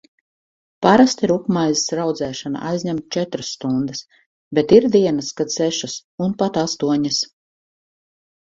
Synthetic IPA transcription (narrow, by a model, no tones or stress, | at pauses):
paɾast̪iɾukmajzisɾawd̪zɛːʃana̰ʔajzʲɲʲɛmt̪̚t͡ʃɛt̪ɾasːt̪und̪es | bet̪iɾd̪iɛnaskad̪sɛʃasunpat̪ast̪uɔɲas